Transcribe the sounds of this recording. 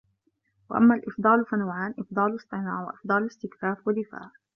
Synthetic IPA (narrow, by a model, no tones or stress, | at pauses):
wa̰ʔa̰mːaːlʔɪfd̪ˤɑːlfanawʕaːnʔɪfd̪ˤɑːlɨsˤt̪ˤɨnaːʕwa̰ʔɪfd̪ˤɑːlɪst̪ɪkfaːfwad̪ɪfa̰ːʔ